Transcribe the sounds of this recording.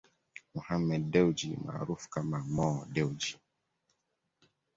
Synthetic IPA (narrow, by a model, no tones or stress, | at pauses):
muhamɛddɛwd͡ʒḭma̰ɾufkamamɔdɛwd͡ʒi